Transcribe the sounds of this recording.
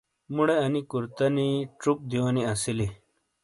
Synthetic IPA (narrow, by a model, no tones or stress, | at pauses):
muɽeɐnikuɾt̪ɐniʈ͡ʂuk̚d̪iwoniɐsili